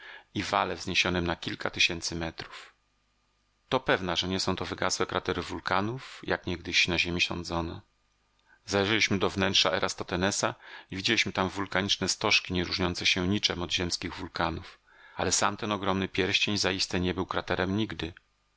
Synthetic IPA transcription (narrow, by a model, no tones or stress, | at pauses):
ivalɛvzɲeɕɔnɛmnakʲilkat̪ɘɕɛnt̪sɘmɛt̪ɾu̥f | t̪ɔpɛvnaʐɛɲɛsɔ̃w̃t̪ɔvɘɡa̰swɛkɾat̪ɛɾɘvulkanufjakɲɛɡ̚d̪ɘɕnaʑemʲiɕɔ̰̃nd̪zɔnɛ̰ | zalɛʐɛlʲiɕmɘd̪ɔvnɛntʂaɛɾʔast̪ɔt̪ɛnɛsaivʲid͡ʑelʲiɕmɘt̪amvulkaɲit͡ʂnɛst̪ɔʂkʲiɲɛɾuʐɲɔnsɛɕɛɲit͡ʂɛmɔd̪ʑɛmskʲiɣvulkanuf | a̰lɛsa̰mt̪ɛnɔɡɾɔmnɘpʲjɛɾɕt͡ɕeɲzaist̪ɛɲɛbɘwkɾat̪ɛɾɛmɲiɡd̪ɘ